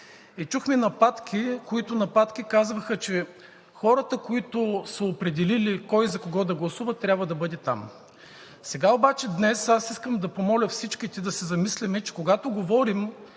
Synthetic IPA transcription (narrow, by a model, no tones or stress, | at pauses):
ɛt͡ʃuxminɐpat̪kʰʲikoit̪ʊnɐpat̪kikazvɐxət͡ʃɛ | xɔɾət̪əkoit̪ʊsɐopɾɛd̪ɛlilikɔjzɐkoɡɔd̪ɐɡlˠɐsuvət̪ɾʲabvɐd̪ɐbɤd̪ɛt̪a̰m | sɛɡaobat͡ʃɛd̪nɛsasiskəmd̪ɐpomɔlʲɐfsit͡ʃkit̪id̪ɐsɛzɐmislɛmɛt͡ʃɛ̥koɡat̪ʊɡovɔɾim